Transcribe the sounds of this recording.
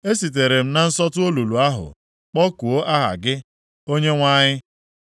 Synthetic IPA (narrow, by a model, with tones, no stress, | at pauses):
e˦si˨t̬e˨ɾe˨m̩˦na˨n̩˦sɔ˦tʊ˦o˦lu˨lu˨a˦ɦʊ̰˨ | k͡pɔ˦ku˨o˦ʔa˦ɦa̰˨ɡɪ˦ | o˦ɲe˦ŋʷa˦ɲɪ˦